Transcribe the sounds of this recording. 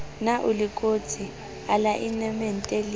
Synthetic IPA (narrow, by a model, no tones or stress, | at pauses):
naʔulikʼot͡sʰi | alaʔinɛmɛn̩tʼeli